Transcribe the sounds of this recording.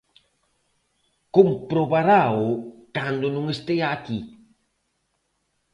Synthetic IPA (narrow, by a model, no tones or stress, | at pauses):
kumpɾobaɾawkandunuŋəstəjaki